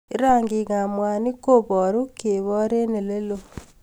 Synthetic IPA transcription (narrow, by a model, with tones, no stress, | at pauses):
e˦ɾaː˦˨ŋɡi˨ɣa˨mwa˨ni˦ko˦βɔ˨ɾu˦ke˨βɔ˦ɾe˦ne˨le˦lo˨